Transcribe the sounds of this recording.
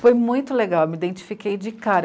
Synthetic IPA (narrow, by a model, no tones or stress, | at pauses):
fojmũj̃t̪ʊleɡawewmid̪ẽnt͡ʃi̥fikejd͡ʒɪkaɾɐ